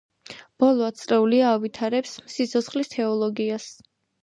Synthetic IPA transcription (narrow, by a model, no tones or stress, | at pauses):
b̥ɔlˠɔat̪sʼɾɛuliaːvit̪ʰaɾɛpsmsit̪sʰɔt̪sχlist̪ʰɛɔlˠɔɡias